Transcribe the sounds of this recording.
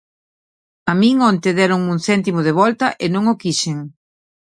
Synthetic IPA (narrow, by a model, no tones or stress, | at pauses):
amĩŋont̪eðɛɾoŋuŋθɛnt̪imʊðeβɔlt̪ɐʔenõŋokiʃeŋ